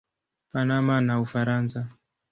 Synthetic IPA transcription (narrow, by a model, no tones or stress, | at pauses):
panamanaufaɾansa